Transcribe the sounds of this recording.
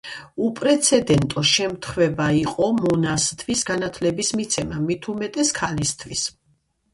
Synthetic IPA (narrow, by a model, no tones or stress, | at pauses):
upʼɾɛt̪sʰɛd̪ɛnt̪ʼɔʃɛmt̪ʰχvɛbaiqʼɔmɔnast̪ʰvisɡanat̪ʰlɛbismit̪sʰɛmamit̪ʰumɛt̪ʼɛskʰalist̪ʰvwis